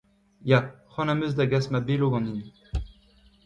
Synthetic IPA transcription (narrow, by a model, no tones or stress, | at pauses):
jaχɑ̃namøzd̪aɡasmabeloɡɑ̃nin